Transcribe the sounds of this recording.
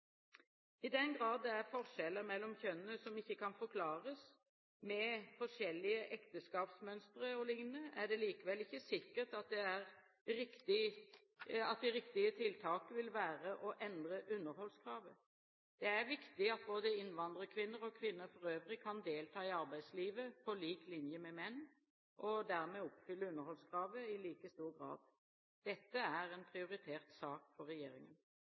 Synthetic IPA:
ɪd̪ɛnɡɾɑːd̪d̪ɛæɾfɔʁʂɛlːəɾmɛlːɔmçœnənəsɔmɪçːəkʰɑnfɔɾkʰlɑːɾəs | mɛfɔʂɛlːɪəʔɛkt̪əskɑːpsmœnst̪ɾəɔlɪŋnəæɖɛliːkəʋɛlːɪçːəsɪkːəʈ̪ɑt̪̚d̪ɛæɾ | ɾɪkt̪ɪ | ɑt̪̚d̪ɛɾɪkt̪ɪət̪ʰɪlt̪ʰɑːkəʋɪlʋæːɾəʔɔʔɛnd̪ɾəʔʉnːəɾhɔlskʰɾɑːʋə | d̪̥ɛæʁʋɪkt̪ɪɑt̪̚boːd̪əɪnʋɑnd̪ʁəkʰʋɪnːəʁɔkʰʋɪnːəfɔʁøːʋʁɪkʰɑnd̪eːlt̪ʰɑːɪɑʁbæɪd̪sliːʋəpʰɔliːklɪnjəmɛmɛnː | ʔɔd̪æːʁmɛɔpfʏlːəʉnːəɾhɔlskʰʁɑːʋəɪliːkəst̪uːʁɡʁɑ̰ːd̪ | d̪̥ɛt̪ːəæʁɛnpʰʁɪʊʁɪt̪ʰeːʁt̪sɑːkfɔʁːɛjḛːɾɪŋən

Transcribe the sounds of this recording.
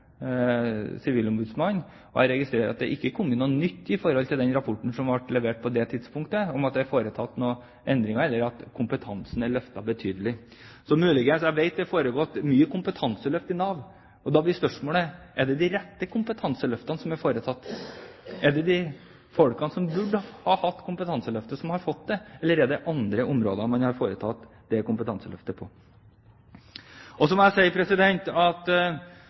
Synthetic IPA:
sɪʋiːlʊmbʉːd̪smɑnː | ɔ̰hɑɾɛɡɪst̪ɾeːɾɑ̰t̪̚d̪ɛ̰ʔɪkːəkʰɔmːənuːnːʏt̪ːɪfɔɾhɔlt̪ʰɪld̪ɛnɾɑpʰɔʈːɳ̩sɔmʋɑʈlɛʋeːʈ̚pʰɔd̪ɛt̪ʰɪd̪spʰʊŋkt̪əɔmɑt̪d̪ɛæɾfoːɾət̪ʰɑt̪ːnɔ | ʔɛnd̪ɾɪŋəɛlːəɾɑt̪kʰʊmpət̪ʰɑnsn̩æɭœft̪ɑbət̪ʰyːd̪əlɪ | sɔmʉːlɪɡənsɛʋeɪt̪̚d̪ɛfoːɾəɡɔːt̪myːəkʊmpət̪ʰɑnsəlœft̪ɪnɑːʋ | ɔd̪ɑblɪspœʂmoːlə | ɛɖɛd̪ɪɾɛt̪ːəkʰʊmpət̪ʰɑnsəlœft̪ɑnsɔmæɾfoːɾət̪ʰɑt̪ː | ɛɖɛd̪ɪ | fɔɽkɑnsɔmbʉɖhɑːhɑt̪ːkʰʊmpət̪ʰɑnsəlœft̪əsɔmhɑɾfɔt̪̚d̪ɛɛlːəɾɛɖɛʔɑnd̪ɾəʔʊmɾo̰ːd̪mɑnhɑɾfoːɾət̪ʰɑt̪ | d̪ɛkʊmpət̪ʰɑnsəlœ̰ft̪əpʰɔ | ɔsɔmɔæɪsɛɪəpʰɾɛsɪd̪ɛnt̪ɑt̪

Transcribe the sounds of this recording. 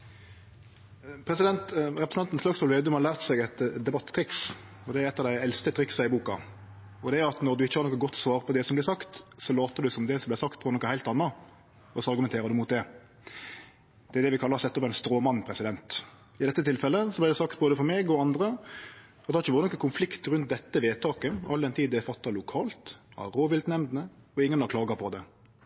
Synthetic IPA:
pʰɾɛsɪd̪ɛnt̪ʁɛpɾs̩ɑnt̪ən̩slɑksfɔlʋeːd̪ʉmhɑɾlæːʁt̪sɛɡɛt̪d̪ɛbɑt̪ːʰɾɪks | ɔd̪ɛæɾɛt̪ːɑːʋd̪æɪɛlst̪ət̪ʰɾɪksɑɪbuːkɑ̰ | ɔd̪ɛæɾɑt̪nɔɾd̪ʉɪçːəhɑɾnɔkːəɡɔt̪ːsʋɑːʁpʰɔd̪ɛsɔmblɪsɑkt̪sɔloːt̪əd̪ʉsɔmd̪ɛsɔmblɪsɑkt̪boːɾənɔkːəhæɪt̪ɑnːɑ | ɔsɑɾɡʉmɛnʰeːɾəd̪ʉmuːt̪̚d̪ɛ | d̪ɛæɾd̪ɛʋɪkʰɑlːɑɾsɛt̪ːɔpːæɪnst̪ɾoːmɑnːpʰɾɛsɪd̪ɛnt̪ | ɪd̪ɛt̪ːət̪ʰɪlfɛlːəsɔblæɪɾd̪ɛsɑkt̪̚boːd̪əfɔɾmeːɡɔɑnd̪ɾə | ɑt̪d̪ɛhɑɾɪçːəʋɑːɾənɔkːəkʰʊnflɪkt̪ɾʉnt̪̚d̪ɛt̪ːəʋeːt̪ʰɑːkəɑld̪ɛnt̪ʰiːd̪ɛfɑt̪ːɑlʊkʰɑːlt̪ɑ̰ɾoːʋɪlt̪nɛmd̪nəɔɪŋːənɑɾkʰlɑːɡɑpʰɔd̪ɛ

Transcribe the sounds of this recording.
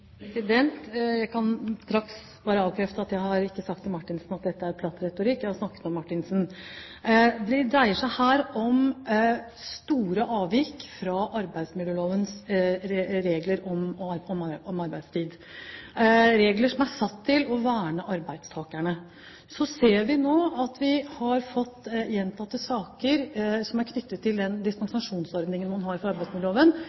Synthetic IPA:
pɾɛsɪd̪ɛnt̪jæɪkʰɑnst̪ɾɑks | bɑːɾəɑːʋkʰɾɛft̪əɑt̪jæɪhɑɾɪkːəsɑk̚t̪ʰːɪlmɑʈːɪnsnɑt̪̚d̪ɛt̪ːəæɾpʰlɑt̪ːɾɛt̪ʊɾɪkːjæɪhɑɾsnɑkːə̥t̪ɔmːɑʈːɪnsn | d̪ɛd̪ɾæɪəʂæɪhæːɾɔm | st̪uːɾəʔɑːʋɪkfɾɑʔɑɾbæɪd̪smɪlːəloːʋəns | ɾeːɡləɾɔmɔmɔmɑɾbæɪd̪st̪ʰiːd̪ | ɾeːɡləʂɔmæsɑt̪ʰːɪlɔʋæːɳəʔɑɾbæɪd̪st̪ʰɑːkæɳə | sɔseːɾʋɪnoːɑt̪ʋɪhɑɾfɔt̪ːjɛnt̪ʰɑt̪ːəsɑːkəɾsɔmæɾkʰnʏt̪ːət̪ʰːɪld̪ɛnd̪ɪst̪ɑŋsɑʂuːnsɔɾd̪nɪŋənmɑnɦɑɾfɾɑɑɾbæɪsmɪd̪əloːʋən

